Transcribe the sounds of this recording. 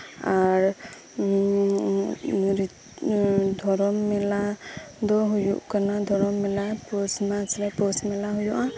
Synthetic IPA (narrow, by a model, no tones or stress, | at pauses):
aɾ | ɾi | d̪ʱɔɾɔmːɛlad̪ɔɦujṵʔkanad̪ʱɔɾɔmːɛlapɔsmat͡ʃɾɛpɔsmɛlaɦujuʔã